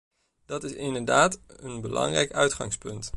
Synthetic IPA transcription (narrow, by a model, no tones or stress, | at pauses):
d̥ɑtɪsɪndəɹdaːtənbəlɑ̰ŋrɛjkœɥtχɑ̰ŋspɵnt